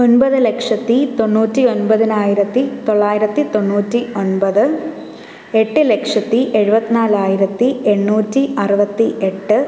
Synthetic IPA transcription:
o̞nbɐðɨlekʂɐt̪ːit̪o̞ɳːuːtːio̞nbɐðinaːjiɾɐt̪ːit̪o̞ɭːaːjiɾɐt̪ːit̪o̞ɳːuːtːio̞nbɐðɨ | e̞ʈːɨlekʂɐt̪ːiʔe̞ɻubɐt̪ːinaːɭaːjiɾɐt̪ːie̞ɳːuːtːiɐrubɐt̪ːiʔe̞ʈːɨ

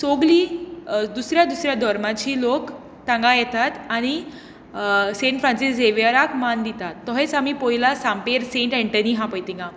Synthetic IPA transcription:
soɡliːd̪usɾjad̪usɾjad̪ʱɔɾmãt͡ɕiːlok | t̪ãŋɡajɛt̪at̪aɽ̃i | sẽɳʈfɾãnsisd͡zeʋəɾakmand̪it̪at̪ːɔɦet͡samipɔɦilasãmpeɾsẽɳʈɛɳʈəniɦãpəjt̪iŋɡã

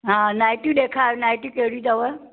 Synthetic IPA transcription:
ɦãnaːjʈiɗekʰanaːjʈikeɦɽid̪ɐʋə

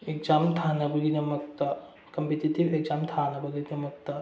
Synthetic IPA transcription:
ek̚zamtʰanɐbɐɡinɐmɐk̚tɐ | kɐmpetitibek̚zamtʰanɐbɐɡinɐmɐk̚tɐ

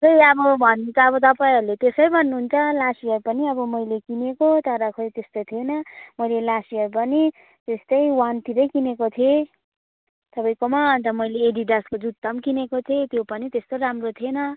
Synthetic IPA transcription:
kʰʌjʌbʌbʱʌnːunt͡sʰʌːβʌt̪ʌpaĩɦʌɾulet̪esʌjbʱʌnːuɦunt͡sʰʌlasiʌɾupʌniʌbʌmʌjlekinekot̪ʌɾʌkʰojt̪est̪ot̪ʰienʌmʌjlelasiʌɾupʌni | t̪est̪ʌjwant̪iɾʌjkinekot̪ʰie | t̪ʌpʌjkomaʌnt̪ʌmʌjleːɖiɖaskod͡zut̪ːʌmkinekot̪ʰet̪jopʌnit̪est̪oɾamrot̪ʰienʌ

